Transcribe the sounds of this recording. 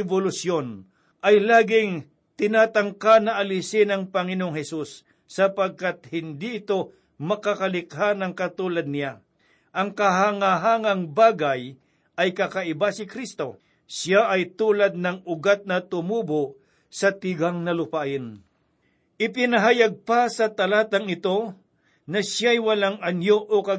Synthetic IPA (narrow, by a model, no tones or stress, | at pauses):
ɛbolʊsjon | ʔɐjlaːɡɪŋ | t̪ɪnaːt̪aŋkanɐʔɐlɪsɪnɐŋpɐŋɪnooŋhɛsusː | ɐpɐɡ̚kat̪̚hɪnd̪iʔɪt̪o̞ | mɐkakɐlɪkhanɐŋkɐt̪uːlɐd̪̚nɪja | ʔɐŋkɐɦaŋaɦaːŋɐŋbaːɡaj | ʔɐjkakɐʔɪbasɪkɾist̪o̞ | sjaʔɐjt̪uːlɐd̪̚nɐŋʊɡat̪̚nɐt̪ʊmuːboʔ | sɐt̪ɪɡaŋnɐlʊpaʔɪn | ʔɪpɪnɐɦajaɡ̚pasɐt̪ɐlaːt̪ɐŋɪt̪o̞ | nɐʃjajwɐlaŋɐnjoʔokɐ